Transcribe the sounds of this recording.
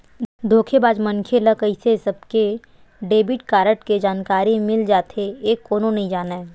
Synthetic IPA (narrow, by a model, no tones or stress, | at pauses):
d̪ʱoːkʰebaːd͡ʒmə̃nkʰeləkəɪsesɐb̚ke | ɖeːbɪʈkaːɾəʈked͡ʒaːnkaːɾimɪld͡ʒaːt̪ʰeeːkːoːnõnɐɦĩd͡ʒaːnaɛ